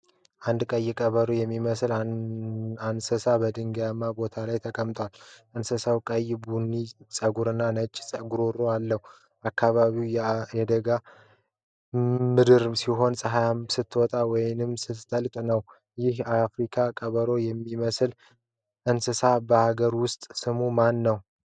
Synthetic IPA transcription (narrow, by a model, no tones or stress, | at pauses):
ʔand̪kʼəjːɪkʼəβəɾojɛmːiməsɨla | ansɨsabəd̪ɨŋɡjamːabo̞t̪ʰalajt̪ʰəkʼəmt̪ʼwalɨnsɨsawkʼəjbunːisʼəɡuɾɨnːanət͡ʃʼːsʼəɡuɾoɾoalːəhu | ʔakʰːaβaβiwjjɛd̪əɡa | mɨd̪ɨɾsiɦo̞nsʼəɦajamsɨt̪ːwɔt̪ʼawɔjnɨmsɨt̪ːəlkʼnəw | jɪhafɾikʰakʼəβəɾo̞jɛmːiməsɨl | ʔɨnsɨsabəhaɡəɾwʊst̪ʼsɨmumanːəw